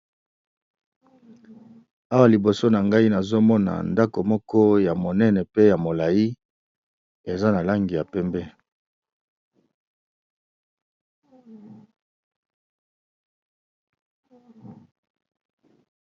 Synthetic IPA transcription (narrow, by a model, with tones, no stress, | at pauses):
a˦wa˨li˨bo˨so˦na˨ŋɡa˦i˦na˨zo˦mɔ˦na̰˨nda˦ko˨mɔ˦kɔ˦ja˨mo˨nɛ˦nɛ˨pe˦ja˨mo˨la˨ji˦ | e˨za˦na˨la˦ŋɡi˨ja˨pɛ˦mbɛ˦